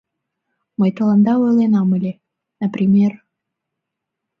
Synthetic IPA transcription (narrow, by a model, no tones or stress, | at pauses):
məjt̪əlˠɑnd̪ɑojlˠenɑmɨlʲe | nəpɾʲimʲer